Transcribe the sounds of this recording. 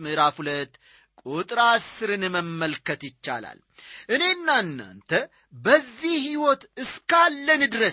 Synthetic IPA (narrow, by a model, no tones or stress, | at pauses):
mɨɾafulət̪ː | kʼot̪ʼɾasːɨɾɨnɨməmːəlkət̪jɪt͡ʃːa̰la̰l | ʔɨne̞ɨnːanːa̰nt̪ʰə | bəzːihhiwɔt̪ɨskalːənɨd̪ɾə